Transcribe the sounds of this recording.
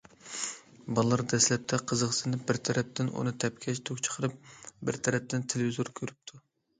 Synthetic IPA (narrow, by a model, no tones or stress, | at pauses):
bɑlˠːɑɾd̪ɛslɛp̚t̪ʰɛqʰəzəqsɨnɨbɪɾt̪ʰɛɾɛp̚t̪ʰɪnṵnɨt̪ʰɛpkʲʰɛʃt̪ʰokʲt͡ʃʰə̥qʰəɾɨp̚bɪɾt̪ʰɛɾɛp̚t̪ʰɪnt̪ʰelevizoɾkʲʰøɾyp̚t̪ʰu